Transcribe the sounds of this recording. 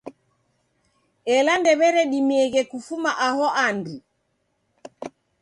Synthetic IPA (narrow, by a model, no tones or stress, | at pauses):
ɛlandɛβɛɾɛɗimiɛɣɛkufumaʔahɔʔandi